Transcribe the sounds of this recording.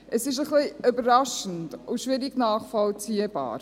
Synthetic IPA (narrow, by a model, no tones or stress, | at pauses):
ʔəsɪʃ̬əχliʏbəɾɾɑʃən̩tʊʃʋɪɾɪɡnɑːχfɔlt͡siːəbɑ̰ːɾ